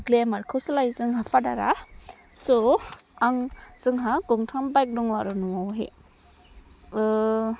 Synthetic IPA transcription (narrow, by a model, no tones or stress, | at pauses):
ɡlemaɾkʰɯslajzɯŋɦafʰada̰ɾa | sɔaŋz̥ɯŋɦaɡɯŋtʰambajk̚dɔŋwaɾɯnuwawɦḛ | ɯ